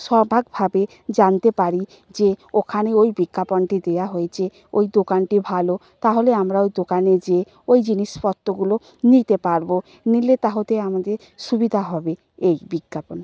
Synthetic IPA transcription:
ʃɔbʱaɡbʱabe | d͡ʑant̪epaɾi | d͡ʑeokʰaneojbiɡːapɔnʈid̪eaɦojet͡ɕʰe | ojd̪okanʈibʱalo | t̪aɦoleamɾaojd̪okaned͡ʑe | ojd͡ʑiniʃpɔt̪ːoɡulo | nit̪epaɾbo | nilet̪aɦot̪eamad̪eɾ | ʃubid̪ʱaɦɔbe | ejbiɡːapɔn

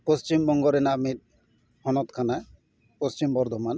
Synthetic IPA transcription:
post͡ʃimbɔŋɡɔɾenamiɾ | hɔnɔt̪kʰana | post͡ʃimbɔɾd̪ʱɔman

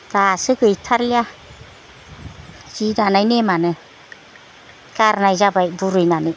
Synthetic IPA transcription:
d̥asɯɡɯitʰalia | zidanajnemanɯ | ɡaɾnajzabajbuɾɯjnanɯ

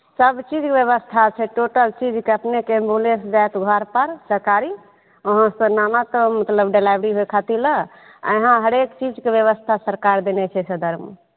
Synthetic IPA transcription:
səbt͡ʃid͡ʒkebjeβəst̪ʰat͡ʃʰɛʈoʈəlt͡ʃid͡ʒkeəpnekeə̃mbulẽsd͡ʒajt̪ɡʱəɾpəɾsəɾkaɾi | oɦãsənamat̪ɔmət̪ləbɖelajbɾiɦojkʰat̪ilə | ə̰ɦãɦəɾekt͡ʃid͡ʒkebjeβəst̪ʰasəɾkaɾd̪enɛt͡ʃʰɛsəd̪əɾm

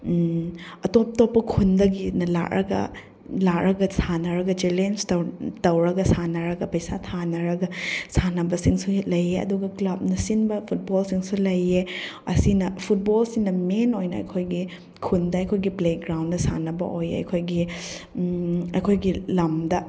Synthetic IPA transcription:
ɐtop̚topːɐkʰundɐɡinɐla̰ʔɾʔɐ̰ɡɐ̰ | lakɾʔɐɡɐsanɐɾɐɡɐd͡ʒelenstɐtɐwɾɐɡɐsanɐɾɐɡɐpɐjsatʰanɐɾɐɡɐsanɐbɐsiŋsuhet̚lɐjeɐ̰duɡɐklɐp̚nɐsinbɐpʰut̚bolsiŋsulɐjeɐsinɐpʰut̚bolsiŋnɐmenojnɐɐ̰jkʰojɡi | kʰundɐɐjkʰojɡipleɡɾawndɐsa̰nɐbɐ̰ʔojɐ̰jkʰojɡi | ɐjkʰojɡilɐmdɐ

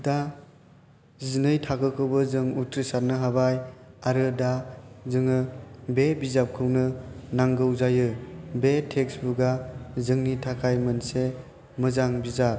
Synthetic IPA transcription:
da | zinɯjtʰakɯkʰɯwbɯzɯŋutɾisaɾ̚nɯɦabajaɾɯdazɯŋɯbebizap̚kʰɯwnɯnaŋɡɯwzajɯbetʰeksbuɡazɯŋnitʰakʰajmɯnse | mɯzaŋbiza

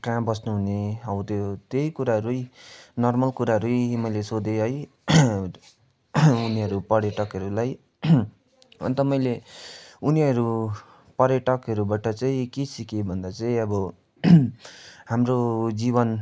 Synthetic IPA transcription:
kãbʌsnuɦuneawt̪ʰjot̪ejkuɾaɦʌɾujnʌrmʌlkuɾaɦʌɾujmʌjlesod̪eɦʌj | uniʌɾupʌɾjʌʈʌkɦʌɾulaj | ʌ̰nt̪ʌmʌjle | uniʌɾu | pʌɾjʌʈʌkɦʌɾubaʈʌt͡saĩkesikebʱʌnd̪at͡saĩʌbʌ | ɦamrod͡zibʌn

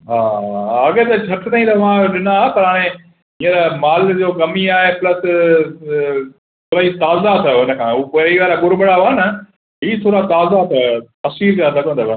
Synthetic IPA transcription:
ɦaːɐɡet̪ɐt͡ɕʰɐʈʰt̪ʰaːĩt̪ɐʋãɗɪnapɐɾɦaːɽ̃ẽ | ɦĩːəɾmaːld͡ʑoːɡɐmiaːɦeplɐs | t̪ʰoːɾait̪aːzat̪ʰɐjoɪnə̆kʰãːɦupoiʋaːɾaɠʊɾɓɪɽaoanɐ | ɦiːt̪ʰoːɾat̪aːzat̪ʰɐot̪ɐsʋiːɾkãsɐɠə̃nd̪əʋo

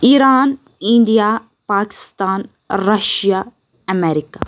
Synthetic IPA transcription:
iːɾaːn | ĩɳɖija | paːkɪ̥st̪aːn | ɾɐʃja | ɐmɛːɾikaː

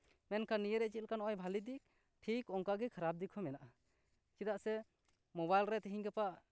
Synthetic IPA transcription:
mɛnkanijəɾɛʔ̚t͡ʃit̪̚lkanɔɔjbʱalid̪ik̚ | ʈʰikɔŋkaɡɛkʰaɾab̚d̪ikʰɔmɛnaʔa | kid̪aʔsɛ | mɔbajlɾɛt̪ɛɦiɲɡɛpaʔ

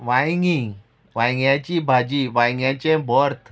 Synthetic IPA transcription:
ʋãjŋɡĩ | ʋãjŋɡjãt͡ɕibʱad͡ʑiʋajŋɡjãt͡ɕẽbɔɾt̪ʰ

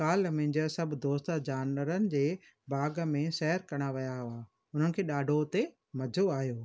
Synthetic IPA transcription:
kaːlmẽːɲd͡ʑəsɐbʱd̪oːst̪əd͡ʑaːnʋəɾənɪ̆d͡ʑeː | bʱaːɡəmẽsɛɦəɾkɐɽ̃aʋɐjaɦʊʋaː | ʊn̤ənɪ̆kʰeːɗaːɖʱot̪e | mɐd͡ʑʱoaːijoː

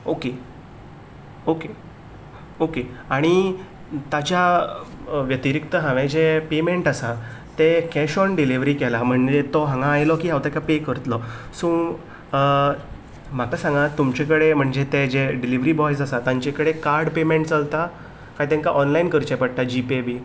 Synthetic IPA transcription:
oke | oke | okeaɽ̃i | t̪at͡ɕja | ʋjət̪iɾikt̪əɦãʋɛ̃d͡ʑepemeɳʈasat̪ekɛɕɔnɖiliʋɾikɛlam̤əɳd͡ʑet̪ɔɦãŋɡãːjlɔkiːɦawt̪akapekəɾət̪lɔsũː | m̤akasãŋɡat̪ːumt͡ɕekəɽem̤əɳd͡ʑet̪ed͡ʑeɖiliʋɾibɔjs̬asat̪ãɲt͡ɕekəɽekaɾɽpemeɳʈt͡salt̪a | kajt̪ɛ̃ŋkaʔɔnlainkəɾt͡ɕɛpəɽ̚t̪ad͡ʑipebiː

